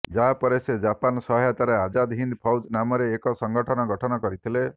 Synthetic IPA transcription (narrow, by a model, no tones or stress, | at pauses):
d͡ʒaɦapɔɾesed͡ʒapanɔsɔɦjat̪aɾead͡ʒad̪ɦind̪pʰɔwd͡ʒnamɔɾeːkɔsɔŋɡɔʈʰɔnɔɡɔʈʰɔnɔkɔɾit̪ʰile